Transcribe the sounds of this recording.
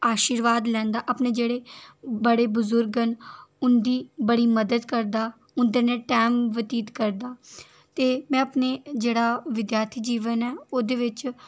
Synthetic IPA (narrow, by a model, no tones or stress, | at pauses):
aːʃiːɾʋaːd̪lɛ̃ːnd̪aːʔəpneːd͡ʒeːɽeːbəɽeːbʊzʊɾɡənʊnd̪iːbəɽiːməd̪əd̪kəɾd̪aː | ʊnd̪əneːʈɛːmʋət̪iːt̪kəɾd̪aː | t̪eːmɛ̃ːəpneːd͡ʒeːɽaːʋɪd̪jaːɾt̪ʰiːd͡ʒiːʋənɛːoːd̪eːʋɪt͡ʃ